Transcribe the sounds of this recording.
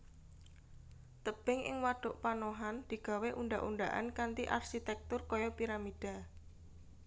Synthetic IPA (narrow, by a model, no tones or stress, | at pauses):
t̪əb̥ɪŋʔɪ̰ŋwaɖ̥ʊʔpanoɦand̪̥i̤ɡ̥a̤weʔunɖaʔuɳɖaʔa̰nkant̪iʔarʃit̪ɛk̚t̪ʊrkɔjɔpiɾamid̥a̤